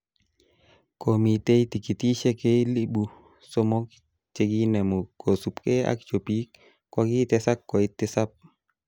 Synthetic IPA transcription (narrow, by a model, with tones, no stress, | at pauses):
komit̪e˦i˦t̪i˨ki˨t̪i˦ʃɛ˦ke˦li˦bu˨ | so˦mo˦k | t͡ʃe˦ɡi˦nɛ˨mo˨ko˨su˨pke˦a̰kt͡ʃo˨pik | kaki˦t̪ɛsa˦kːɔ˨it̪ɪ˦sa˦p̚